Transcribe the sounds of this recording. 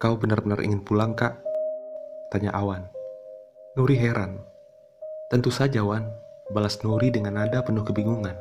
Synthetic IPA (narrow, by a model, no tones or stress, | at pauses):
kawbənarbənarʔḭŋɪnpulaŋkaʔ | t̪aɲa̰ʔawanː | uɾiɦɛɾʔan | t̪ənt̪usad͡ʒawanbalasnuɾidəŋanadapənʊhkəbiŋuŋan